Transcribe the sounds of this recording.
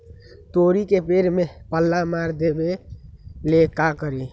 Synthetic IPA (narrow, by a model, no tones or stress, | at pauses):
t̪oɾikepeɾmepəlːamaɾd̪ebe | lekakəɾi